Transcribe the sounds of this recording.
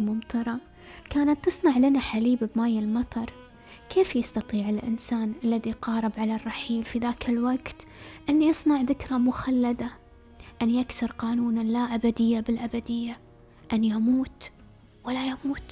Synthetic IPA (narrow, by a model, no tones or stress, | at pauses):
mʊmt̪ʰɑɾˤɑ | kaːnat̪ːɨsˤnɑʕlɪnaħaliːbbmaːjɪlmɑt̪ˤɑɾˤ | kʰeːfjɑst̪ɑt̪ˤiːʕɪlʔɪ̰nsaːnʔalːaðiqɑːɾˤɪbʕalarˤːɑħiːlfiðaːkɪlwaɡt̪ | ʔɪnːiʔɑsˤnɑʕðɪkɾamʊxalːad̪a | ʔanjaksɪɾqɑːnuːnalaʔabad̪ɪjːabɪlʔabad̪ɪjːa | ʔanːjamuːt̪ | walajamuːt̪